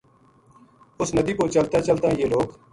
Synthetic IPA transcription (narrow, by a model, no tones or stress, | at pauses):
ʊsnəd̪iːkoːt͡ʃəlt̪aːt͡ʃəlt̪aːɦjeːloːk